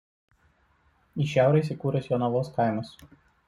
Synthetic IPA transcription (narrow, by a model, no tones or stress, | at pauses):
iʃʲæˑʊɾɐis̬ʲiˑkuːɾʲɐsjɔnɐʋoːskaɪmɐs